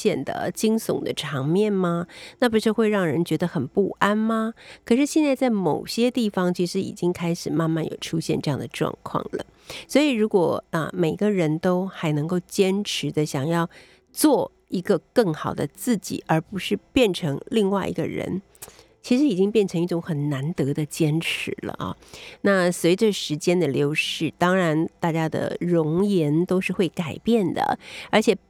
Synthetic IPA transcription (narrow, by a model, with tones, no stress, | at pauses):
jɛ˥˩nd̪ə̰˩t͡ɕi˥ŋsʊ̰˨˩ŋd̪ə̰˦ʈ͡ʂʰɑ˧˥ŋmjɛ˥˩nma˩na˥˩p̬u˧˥ʂɻ̩˥˧xwe˥˧ɪɻɑ˥˩ŋɻə˧˥nt͡ɕɥɛ˧˥d̪ə˧xə˨˩npu˥˩a˥nmɐ˨kʰɤ˨˩ʂɻ̩˥˧ɕjɛ˥˧nt͡sa˥˧ɪt͡sa˥˩ɪmo˨˩ʊɕjɛ˥t̪i˥˩fɑ˩ŋt͡ɕʰi˧˥ʂɻ̩˧˥ḭ˨˩t͡ɕi˥ŋkʰa˥ɪʂɻ̩˨˩ma˥˧nma˥˩njo̰˨˩ʊʈ͡ʂʰu˥ɕjɛ˥˧nʈ͡ʂɤ˧jɑ˥˩ŋd̪ə˩ʈ͡ʂwɑ̰˥˧ŋkʰwɑ̰˥˩ŋlə̰˩ | swɔ˧˥i˨˩ɻu˧˥kwɔ˨˩ə̰˧me˨˩ɪɡə˦ɻə˧˥nt̪o˥ʊxa˧˥ɪnɤ˧˥ŋko˥˩ʊt͡ɕjɛ˥nʈ͡ʂʰɻ̩˧˥d̪ə˧ɕjɑ˨˩ŋjɑ˥˧ʊ | t͡swɔ˥˩ | i˧˥ɡə˧kɤ˥˩ŋxɑ˨˩ʊd̪ə˦t͡sɹ̩˥˩t͡ɕḭ˨˩˦ʔə˞˧˥pu˧˥ʂɻ̩˥˧pjɛ˥˩nʈ͡ʂʰɤ˧˥ŋli˥˧ŋwa˥˩ɪʔḭ˧˥ɡə̰˧ɻə̰˧˥n | t͡ɕʰi˧˥ʂɻ̩˧˥i˨˩t͡ɕi˥ŋpjɛ˥˩nʈ͡ʂʰɤ˧˥ŋi˥˩ʈ͡ʂʊ˧˥ŋxə˨˩nna˧˥nt̪ɤ˧˥d̪ə˧t͡ɕjɛ˥nʈ͡ʂʰɻ̩˧˥lə̰˧ɑ̰˥˩na˥˩swe˧˥ɪʈ͡ʂə˧ʂɻ̩˧˥t͡ɕjɛ˥nd̪ə˨ljo˧˥ʊʂɻ̩˥˩t̪ɑ˥ŋɻa˧˥nt̪a˥˩t͡ɕja˥d̪ə̰˨ɻʊ˧˥ŋjɛ˧˥nt̪o˥ʊʂɻ̩˥˧xwe˥˩ɪka˨˩ɪpjɛ˥˩nd̪ə̰˩ə˞˧˥t͡ɕʰjɛ˨˩